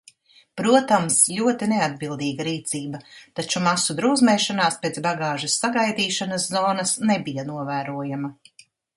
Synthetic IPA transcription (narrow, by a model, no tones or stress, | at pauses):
pɾuɔt̪amsʎʲuɔt̪inead̪̚bilˠd̪iːɡaɾiːt̪siːbɐt̪at͡ʃumasud̪ɾuwzmɛʃanaːspeːt̪sbaɡaːʒusːaɡajd̪iːʃanɐszɔːnɐsnɛbijanuɔvæːɾuɔjamɐ